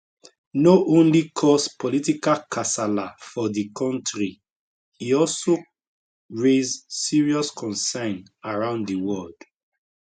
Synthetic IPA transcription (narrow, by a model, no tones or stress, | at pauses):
noʔõnlikʰɔspɔlitikakʰasalafɔdikʰɔ̃ntɹi | iɔlso | ɹezsːiɹiɔskʰɔ̃nsãɪn | aɹãʊ̃nddiwɔld̥